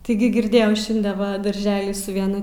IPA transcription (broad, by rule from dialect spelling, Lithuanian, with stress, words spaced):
tʲɪˈɡʲɪ ɡʲɪrʲˈdʲeːjɛʊ ˈʃʲɪnʲdʲɛ ˈʋɐ dɐrʲˈʒʲæːlʲɪ sʊ ʋʲiɛˈnʊ